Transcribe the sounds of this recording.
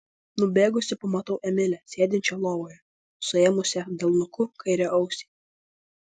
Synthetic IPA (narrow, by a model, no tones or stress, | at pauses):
nʊbʲeːɡʊsʲɪpɐmɐt̪ɐʊʔɛmʲɪlʲɛsʲeːd̪ʲɪnʲt͡ʃʲɛlˠoːʋoːjɛ | sʊeːmʊsʲɛd̪ʲeːlˠnʊkʊkʰɐɪɾʲɛʔɐʊsʲi̥ː